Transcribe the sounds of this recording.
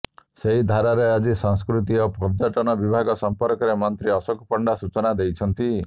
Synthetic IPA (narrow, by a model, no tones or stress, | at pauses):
seɦid̪ʱaɾaɾead͡ʒisaŋskɾut̪̬iɔpɔɾd͡ʒaʈɔnɔbibʱaɡɔsɔmpɔɾkɔɾemɔnt̪ɾiɔsɔkpɔɳɖasut͡ʃɔnad̪ejt͡ʃʰɔnt̪i